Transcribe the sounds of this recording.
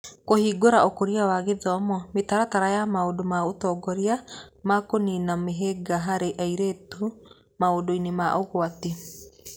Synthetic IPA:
kohiːɡoɾaokoɾiawaɣeðɔmɔmetaɾataɾajamaodomaotɔːɡɔɾiamakoninameɦeɡaɦaɾeʔaiɾeːto | maodoinemaʔoɣwate

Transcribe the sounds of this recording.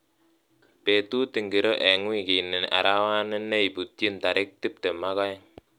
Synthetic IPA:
pet̪ut̪iŋɡiɾɔʔeŋwikinɪna̰ɾawanəneibut̪iənt̪aɾɪk̚t̪ɪp̚d̪̥əmakaɛŋ

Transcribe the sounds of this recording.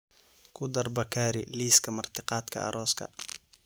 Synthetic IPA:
kʰʊd̪ɐrbɐkʰaːɾɪliːskʰɐmɐrt̪ʰɪqɑːd̪kʰɐ̰ʔɐ̰ɾʔɔːskʰɐ̰

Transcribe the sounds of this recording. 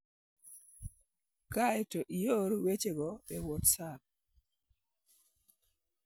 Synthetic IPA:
kaetoʔijoɾwet͡ʃeɡɔbɛwotsaɾ

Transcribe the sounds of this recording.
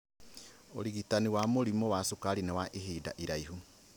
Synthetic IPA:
o̰ɾiɣitaniwamoɾimowasukaɾinɛwaʔeɦiːda̰ʔiɾaiɦu

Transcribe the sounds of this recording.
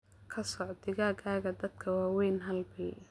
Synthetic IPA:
kʰɐsɔʕd̪ɪɣaːɡaːɣɐd̪ɐd̪kʰɐwaːwɛjnɦɐlbɛ

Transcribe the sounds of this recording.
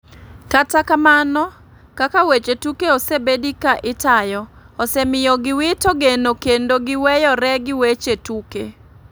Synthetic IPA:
katakamanɔ | kakawet͡ʃetukeosebedikaʔɪtajɔ | osemɪjɔɡɪwɪtoɡenokendoɡɪwɛjɔɾɛɡɪwet͡ʃetukḛ

